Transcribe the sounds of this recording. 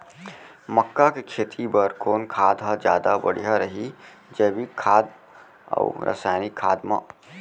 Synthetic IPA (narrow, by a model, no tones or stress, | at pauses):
məkːakekʰeːt̪ʰibəɾkoːnkʰaːd̪ʱad͡ʒjaːd̪abɐ̰ɽ̤ijaɾɐɦi | d͡ʒeːbikʰːaːd̪ | ə̰ɾə̰saːjnikʰːaːd̪mã̰